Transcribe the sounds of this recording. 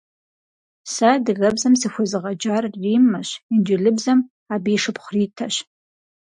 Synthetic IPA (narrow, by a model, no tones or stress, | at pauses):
sadɨɣɐbzamsixʷazɨʁad͡ʒarːimːaɕind͡ʒʷɪlɨbzam | abiːʂɨpχʷritʰaʃ